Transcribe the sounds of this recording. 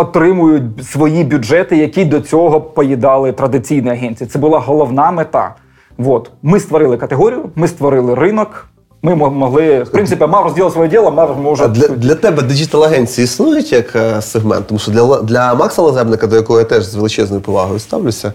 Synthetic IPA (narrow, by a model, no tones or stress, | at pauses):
ɔt̪ɾɪmʊjʊt̚ʲsʋɔjibʲʊd͡ʒɛt̪ɪjɐkʲid̪ɔt͡sʲɔɦɔpɔjid̪ɑlˠɪt̪ɾɐd̪ɪt͡sʲijnɛjɐɦɛnʲt͡sʲijɐt̪sɛbʊlˠɑɦɔlˠɔwnɑmet̪ɑ̰ | ʋot̪mɪst̪ʋɔɾɪlˠɪkɐt̪eɦɔɾʲijʊmɪst̪ʋɔɾɪlˠɪrɪnɔk | mɪmɔmɔɦlˠɪfpɾɪnɪpʲimɑrɔzʲdʲilˠt̪sʋɔjɛdʲilˠɐmɑmɔʒd̪lʲɐd̪lʲɐt̪ɛbɛd̪ɪd͡ʒit̪ɛlˠɐɦɛnʲt͡sʲiisnujʊtʲjɐkseɦmɛ̰nt̪t̪ːɔmuʃɔd̪lʲɐlˠd̪lʲɐmɑksɐlˠɐzɛbnɪkɐd̪ɔjɐkɔɦɔjat̪ɛʒzʋelˠɪt͡ʃɛznɔjʊpɔʋɑ̰ɦɔjʊst̪ɑwlʲʊsʲɐ